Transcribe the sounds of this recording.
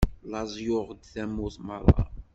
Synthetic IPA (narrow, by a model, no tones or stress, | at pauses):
lɑzˤjʊʁd̪θæmːʊθməɾˤːɑ̰